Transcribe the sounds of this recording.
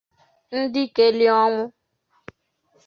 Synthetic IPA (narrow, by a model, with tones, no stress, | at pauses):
n̩˦di˦ke˨li˦ɔ˦ŋʊ̃˦